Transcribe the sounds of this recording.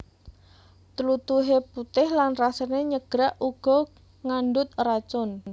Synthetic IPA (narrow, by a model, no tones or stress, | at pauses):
t̪əlut̪uɦeput̪ɪhlanrasəneɲəɡ̥ɾaʔuɡ̥ɔ | ŋaɳɖʊt̪̚rat͡ʃɔn